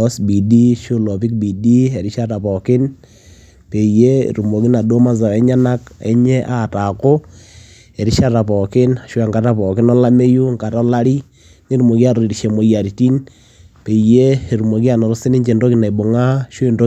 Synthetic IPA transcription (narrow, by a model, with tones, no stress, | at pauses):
ɔ˦sbi˨di˦ʃo˦lɔ˨pi˦k̚bi˨di˦ɛ˨ɾi˦ʃa˦ta˨pɔ˨kɪ˦n | pe˨ijḛ˦ɾu˨mo˨ki˦na˨do˦ma˦za˨ɛ˦ɲa˦na˦kɛ̰˦ɲɛ˦ʔa˨ta˨ko˦ | ɛ˨ɾi˦ʃa˦ta˨pɔ˨kɪ˦na˨ʃʊ˦ɛ˨ŋɡa˨˦ta˦pɔ˨kɪ˦nɔ˦la˦me˦ju˦ŋka˨tɔ˦la˦ɾi˦ | ni˦ɾu˨mo˨ki˦a˦˨ɾɔ˨ɾi˨ɾi˨ʃe˨mo˨ja˨ɾi˨ti˦n | pe˨i˨je˦˨ɾu˨mo˨ki˦a˨nɔ˨ɾɔ˦si˦ni˦ɲt͡ʃe˨ndo˦ki˦na˨bo˨ŋa˦ʃo˦e˨ndo˦